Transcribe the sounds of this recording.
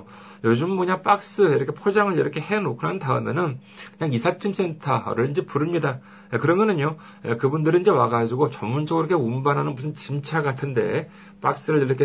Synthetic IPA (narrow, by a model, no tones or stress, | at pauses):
jod͡ʑɯmmoɲap͈ak̚s͈ɯiɾʌkʰepʰod͡ʑaŋɯɭiɾʌkʰe̞henokʰɯɾɦantaɯme̞̰nɯn | kɯɲaŋisʰat͡ɕ͈ʰims͈e̞ntʰaɾɯɭind͡ʑe̞puɾɯmɲida | ekɯɾʌmʌnɯɲo | ḛkɯbundɯɾiind͡ʑe̞waɡad͡ʑiɡot͡ɕʌmmːund͡ʑʌɡɯɾʌkʰeumbanɦanɯnmusʰɯnt͡ɕimt͡ɕʰaɡatʰɯnde̞̰ | p͈a̰k̚s͈ɯɾɯɭiɾʌkʰe